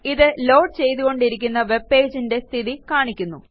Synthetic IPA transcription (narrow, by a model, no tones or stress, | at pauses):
iðɨlo̞ːɖ̚t͡ɕe̞jt̪uɣo̞ɳɖiɾikʲːunːɐʋe̞be̞ːd͡ʑinde̞st̪ʰiðikaːɳikʲːunːu